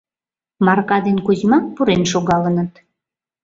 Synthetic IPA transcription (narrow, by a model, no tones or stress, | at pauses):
mɑrkɑd̪enkuzmɑk̚puɾenʃoɣɑlənət̪